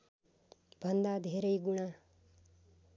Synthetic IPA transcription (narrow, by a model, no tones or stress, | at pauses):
bʱʌnd̪ad̪ʱeɾʌjɡuɽ̃a